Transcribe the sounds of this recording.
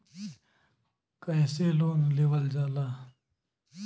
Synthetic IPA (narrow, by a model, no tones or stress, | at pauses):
kəjseːloːnleʋəld͡ʒaːlaː